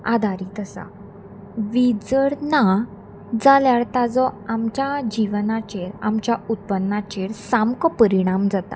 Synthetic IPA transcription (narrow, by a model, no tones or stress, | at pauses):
ad̪ʱaɾit̪əsa̰ | ʋid͡zəɽna | d͡zaljaɽt̪ad͡zɔamt͡ɕjad͡ʑiʋnat͡ɕeɾamt͡ɕjaut̪̚pənːat͡ɕeɾsamkɔpəɾiɽ̃amd͡zat̪a̰